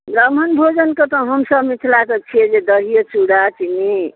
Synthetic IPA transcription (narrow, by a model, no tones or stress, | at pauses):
bɾʌm̤ʌnbʱod͡zʌnkot̪ʌɦʌmsʌbmit̪ʰlakʌt͡ʃʰied͡zed̪ʌɾijʌt͡ʃuɽat͡ʃini